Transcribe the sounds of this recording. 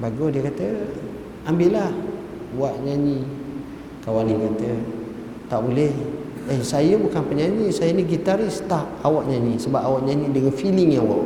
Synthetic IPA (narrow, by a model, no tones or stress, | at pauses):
baɡiɔdiəkat̪ə | ambɪʔlah | waʔɲaɲi | kawaniɲat̪ə | t̪aʔbulɛh | əsajəbukanpəɲaɲisajəniɡit̪aɾist̪aʔawaʔɲaɲĩsəbap̚awaʔɲaɲĩdəŋanfiliŋjawaʔ